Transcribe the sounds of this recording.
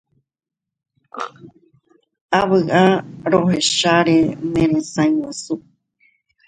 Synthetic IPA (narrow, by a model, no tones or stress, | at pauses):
aβɨʔaɾoɦeʃaɾenẽɾẽsaĩwãsu